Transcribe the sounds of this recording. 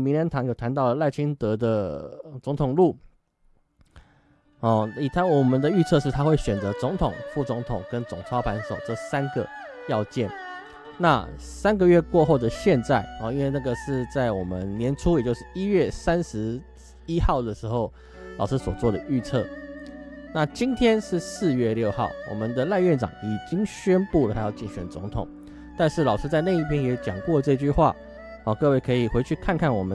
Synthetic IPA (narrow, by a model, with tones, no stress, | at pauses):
mi˧˦nja˧˥nt̪ʰɑ˧˥ŋjo˨˩ʊt̪ʰa˧˦nt̪ɑ˥˩ə˩la˥˩ɪt͡ɕʰi˥nt̪ɤ˧˥d̪ə˨t͡sʊ˧˥ŋt̪ʰʊ˨˩ŋlu˥˩ | ɔ˨˩i˨˩t̪ʰa˧˥nwɔ˨˩mə˨˦nd̪ə˨y˥˧t͡sʰɤ˥˧ʂɻ̩˥˩t̪ʰa˥xwe˥˩ɪɕɥɛ˨˩nt͡sə˧˥t͡sʊ˧˥ŋt̪ʰʊ˨˩ŋfu˥˩t͡sʊ˧˥ŋt̪ʰʊ˨˩ŋkə˦nt͡sʊ˨˩ŋt͡sʰɑ˥pʰa˧˦˥nʂo˨˩ʊʈ͡ʂə˥˧˩sa˦˥nɡə̰˩ | jɑ˥˧ʊt͡ɕjɛ˥˩n | na̰˥˨ | sa˥nɡə˨ɥɛ˥˧kwɔ˥˧xo˥˩ʊd̪ə˩ɕjɛ˥˧nt͡sa˥˩ɪɔ˨˩i˥nwe˥˧ɪna˥˩ɡə˩ʂɻ̩˥˧t͡sa˥˩ɪwɔ˨˩mə˦nnjɛ˧˥nʈ͡ʂʰu˥jɛ˨˩t͡ɕjo˥˧ʊʂɻ̩˥˩i˥ɥɛ˥˩sa˦nʂɻ̩˧˦ | i˥xɑ˥˩ʊd̪ə˩ʂɻ̩˧˥xo˥˩ʊ | lɑ˨˩ʊʂɻ̩˥swɔ̰˨˩t͡swɔ˥˩d̪ə˩y˥˧t͡sʰɤ˥˩ | na˥˨t͡ɕi˥nt̪ʰjɛ˥nʂɻ̩˥˨sɹ̩˥˧ɥɛ˥˧ljo˥˧ʊxɑ˥˩ʊwɔ̰˨˩mə˦nd̪ə˨la˥˧ɪɥɛ˥˩nʈ͡ʂɑ̰˨˩ŋi˨˩t͡ɕi˥ŋɕɥɛ˥npu˥˩lə˨˩t̪ʰa˥jɑ˥˧ʊt͡ɕi˥˩ŋɕɥɛ̰˨˩nt͡sʊ̰˧˦˥ŋt̪ʰʊ̰˨˩˦ŋ | t̪a˥˧nʂɻ̩˥˩lɑ˨˩ʊʂɻ̩˥t͡sa˥˧ɪna˥˧i˥˩pʰjɛ˥njɛ˧˥t͡ɕjɑ˨˩ŋkwɔ˥˧lə˩ʈ͡ʂɤ˥˧i˧˩t͡ɕy˥˧xwa̰˥˩ | ɔ˨˩kɤ˥˧we˥˩ɪkʰɤ˧˥i˨˩xwe˧˥t͡ɕʰy˥˧kʰa˥˧nkʰa˥˩nwɔ̰˨˩mə˦